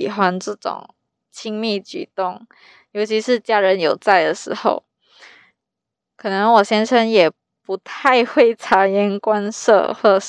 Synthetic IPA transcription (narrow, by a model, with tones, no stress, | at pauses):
i˨˩xwa˥nʈ͡ʂɤ˥˩ʈ͡ʂʊ̰˨˩ŋ | t͡ɕʰi˥ŋmi˥˩t͡ɕy̰˨˩t̪ʊ˥˩ŋ | jo˧˥ʊt͡ɕʰi˧˥ʂɻ̩˥˩t͡ɕja˥ɻə˧˥njo˨˩ʊt͡sa˥˩ɪd̪ə˩ʂɻ̩˧˥xo̰˥˧ʊ | kʰɤ˨˩nɤ˧˦ŋwɔ˨˩ɕjɛ˥nʂə˥njɛ˨˩ | pu˧˥t̪ʰa˥˧ɪxwe˥˩ɪʈ͡ʂʰa˧˥jɛ˥nkwa˥nʂɤ̰˥˧xwɔ˥˩